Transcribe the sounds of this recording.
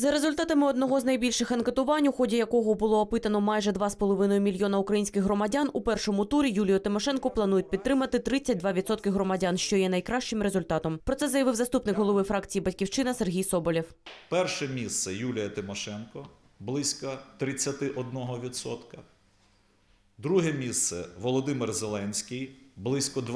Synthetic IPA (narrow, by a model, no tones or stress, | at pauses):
zɐɾezʊlʲt̪ɑt̪ɐmɪɔd̪nɔɦɔznɐjbʲilʲʃɪxɐnket̪ʊʋɑnʲuxɔdʲɐjɐkɔɦɔbʊlˠɔːpɪt̪ɐnɔmɑjʒɛd̪ʋɑspɔlˠɔʋɪnɔjʊmʲilʲjɔnɐʊkɾɐjinʲsʲkɪxɦrɔmɐdʲanupɛrʃɔmʊt̪uɾʲijulʲijʊt̪ɪmɔʃɛnkɔplˠɐnujʊt̚ʲpʲid̪̚t̪ːɾɪmɐt̪ɪt̪ɾɪt͡sʲːɐt̚ʲd̪ʋɑʋʲid̪sɔt̪̚kɪɦɾɔmɐdʲanʃt͡ʃɔjɛnɐjkɾɑʃt͡ʃɪmɾe̞zʊlʲt̪ɑt̪ɔmpɾɔt̪sɛzɐjɐʋɪwzɐst̪upnɪkɦɔlˠɔʋɪfɾɑkt͡sʲijibɐtʲkʲiwt͡ʃɪnɐserɦʲijsɔbɔlʲiwpɛrʃɛmʲist̪sɛjulʲijɐt̪ɪmɔʃɛnkɔ | blˠɪsʲkɐt̪ɾɪt͡sʲːɐt̪ɪʔɔd̪̚nɔɦɔʋʲid̪sɔ̰t̪kɐ | d̪ɾuɦɛmʲist̪sɛ̰ʋɔlˠɔd̪ɪmɪrzelˠɛnʲsʲkʲɪjblˠɪsʲkɔd̪